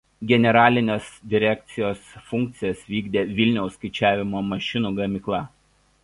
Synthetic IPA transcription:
ɡʲɛnʲɛɾɑːlʲɪnʲeːsd̪ʲɪɾʲɛk̚ʲt̪sʲɪjoːsfʊŋʲk̚t̪sʲɪjɛsʋʲiːɡd̪ʲeːʋʲɪlʲnʲɛʊskɐɪt͡ʃʲæːʋʲɪmoːmɐʃʲɪnuːɡɐmʲɪklˠɐ

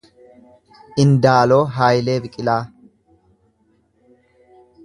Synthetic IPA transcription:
ʔɪnd̪aːlo̞ːɦaːjɪle̞ːbɪkʼɪlaː

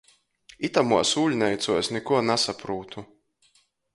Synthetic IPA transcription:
it̪amuɔsuːʎʲnɛjt̪suɔsnɛkuɔnasapɾuːt̪u

